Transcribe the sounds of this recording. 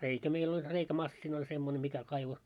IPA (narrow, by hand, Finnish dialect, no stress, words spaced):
reikæ meil olʲ reikæmɑsːinɑ̆ olʲ semːone mikæ kɑiʋo